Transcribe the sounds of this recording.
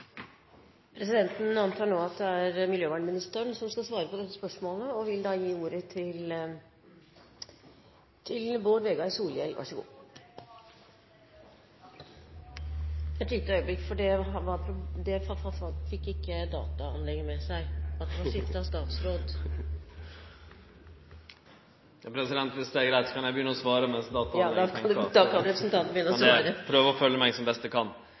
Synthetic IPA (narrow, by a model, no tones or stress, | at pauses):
pʰɾɛsɪd̪ɛnt̪n̩ɑnt̪ʰɑːɳoːɑt̪̚d̪ɛæɾmɪljøːʋɑɳɖmɪnɪst̪əɳsɔmskɑlsʋɑːɾəpʰɔd̪ɛt̪ːə̥spœʂmoːləɔʋɪld̪ɑːjiːuːɾət̪ʰɪl | t̪ʰɪlboːɾʋeːɡɑɪsuːljɛlʋʔæ̰ʂəɡṵː | ɛt̪ʋɪt̪ːəœʏəblɪkːfɔɖɛɦɑʋɑɾpʰɾʊd̪ɛfɑfɑfɑfɪkːɪkːəd̪ɑ̰ːt̪ɑɑnlɛŋːəmɛsæɪɑt̪hɑnsɪt̪ːəɑst̪ɑːt̪sɾoːd̪ | jɑpʰɾɛsɪd̪ɛnt̪ʋ̪ɪst̪eɡɾæɪt̪sɔkʰɑnjæɪbəjʏnəɔsʋɑːɾəmɛsd̪ɑːt̪ɑɑːkʰɑnd̪ɛd̪ɑkʰɑnɾɛpɾəsnt̪ɑnt̪bɪʏnəɔsʋɾəpʰɾøːʋəɾɔfœlːəmæɪsɔmbɛst̪əkʰɑn